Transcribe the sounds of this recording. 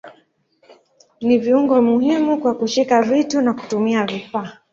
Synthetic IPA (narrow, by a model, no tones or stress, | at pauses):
niviuŋɡɔmuhimukwakuʃikavitunaku̥tumiaɾifaː